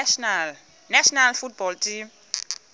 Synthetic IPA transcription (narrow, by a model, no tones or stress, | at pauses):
naʃɔnalfut̚bɔltʰim